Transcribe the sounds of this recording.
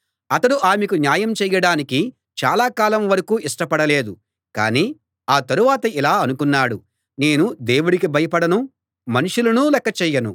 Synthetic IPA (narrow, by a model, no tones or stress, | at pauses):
ɐt̪ɐɽuʔaːmekunjaːjɐmt͡ʃɛːjɐɽaːniki | t͡ʃa̰ːlaːkaːlɐmʋɐɾɐkuːiʂʈɐpɐɽɐle̞ːd̪u | ka̰ːniː | aːt̪ɐɾuʋaːt̪ɐilaːɐnukunːaːɽu | ne̞ːnud̪e̞ːwuɽikibʱɐjɐpɐɽɐnu | mɐnuʂulɐnuːlɛkːɐt͡ʃɛːjːɐnu